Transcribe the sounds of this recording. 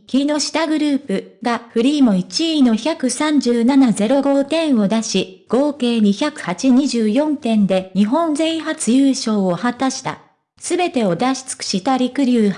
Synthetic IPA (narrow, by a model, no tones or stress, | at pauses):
kʲino̞ɕi̥t̪aɡɯ̟ɾɯ̟ːpɯ̟ɡaɸɯ̟ɾʲiːmo̞it͡ɕino̞çakɯ̟sãɲ̟d͡ʑɨːnanaze̞ɾo̞ɡo̞t̪ẽ̞ɰ̃o̞d̪aɕi | ɡ̥o̞ːke̞ːɲ̟içakɯ̟̥hat͡ɕiɲ̟iʑɨːjõ̞nt̪ẽ̞nd̪e̞ɲ̟iɦõ̞nd͡ze̞iɦat͡sɨjɯːɕo̞ːohat̪aɕi̥t̪a̰ | sɨbe̞t̪e̞o̞d̪aɕi̥t͡sɨ̥kɯ̥ɕit̪aɾʲikɯ̟ɾʲɯː